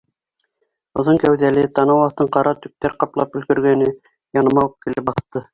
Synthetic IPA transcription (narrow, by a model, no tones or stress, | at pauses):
ŏðɤŋkæwðælɘt̪ɑnɑwɑθt̪ɤɴqɑɾɑt̪ɵ̆k̚t̪æɾqɑplˠɑpɵ̆lkɵ̆ɾɡænɘ | jɑnɤ̆mɑɤp̚kilɘp̚bɑθt̪ɤ